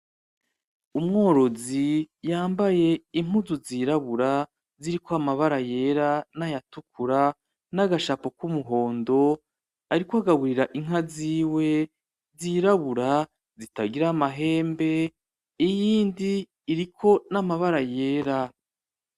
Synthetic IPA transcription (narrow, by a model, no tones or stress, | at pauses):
umŋo̞ːɾo̞zijaːmbaje̞im̥uzuziɾaβuɾa | ziɾikoamaβaɾaje̞ɾanajatukʰuɾa | naɡaʃapo̞kumuɦo̞ːndo̞ | aɾikoaɡaɡuɾiɾaʔiŋ̥ɦaziːwe̞ | ziɾaβuɾa | zitaɡiɾamaɦe̞ːmbe̞ | ijiːndiː | ɾikʰo̞namaβaɾaje̞ːɾa